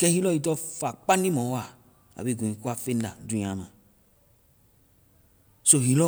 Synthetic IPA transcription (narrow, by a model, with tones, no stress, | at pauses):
kɛ̃˦hi˦lɔ˦ji˨tɔ˦fa˨k͡pa˦n˦i˦mɔ̃˨˦a˦˨ | a̰˨bi˦˨ɡũ˨ĩ˨ku˦a˦˨fe˦n˦da̰˨dũ˨˦˨ã˨mã̰˨ | so˦ɦi˨lɔ˦